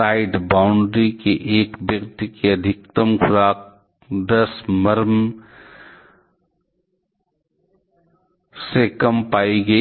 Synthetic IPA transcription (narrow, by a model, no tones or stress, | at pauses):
aːɪɖbaːʊɳɖɾikeʔeːkbjɐɡt̪keɐd̪ʱɪk̚t̪əmxʰʊɾaːk̚ | d̪ɐsmɐɾm | sekɐmpaːiɡɐi